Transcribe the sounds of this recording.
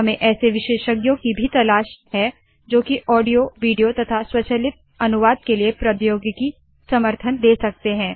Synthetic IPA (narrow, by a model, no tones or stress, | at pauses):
ɦɐmẽʔɛːseʋɪʃeːʃəɡjõkibʱit̪ɐlaːʃɦɛ | d͡ʒoːkiʔɔːɖijoʋiːɖijot̪ɐt̪ʰaswɐt͡ʃəlɪt̪̚ | ɐnʊʋaːd̪̚keliepɾɐt̪joːɡki | sɐməɾt̪ʰənd̪eːsɐk̚t̪eɦɛ̃ː